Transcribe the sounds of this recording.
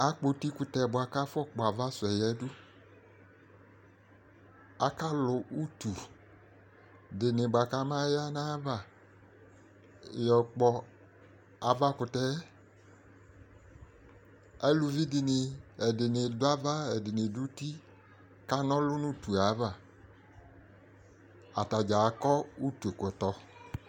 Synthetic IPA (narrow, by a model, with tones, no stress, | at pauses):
a˨k͡po˨ti˦kʊ˨tɛ˨bʊ˨a˨ka˦fɔ˦k͡pɔ˨a˨va˦sʊ˨ɛ˨jɛ˨˦dʊ˦ | a˦ka˦lʊ˨ʔu˦tu˨ | dɪ˨nɪ˨bʊ˨a˨ka˦mã˦ja˦nã˦va˦˨ | jɔ˨k͡pɔ˨ | a˨va˦kʊ˨tɛ˦ | ɛ˦lu˨vi˦dɪ˨nɪ˨ɛ˨dɪ˨nɪ˨dʊ˦a˦va˦ɛ˨dɪ˨nɪ˨du˦ti˦ | ka˦nɔ̃˦lʊ˦nũ˦t̪u˨a˨˦va˨ | a̰˨ta˨d͡ʒa˨kɔ˦u˦t̪u˨kʊ˨t̪ɔ˨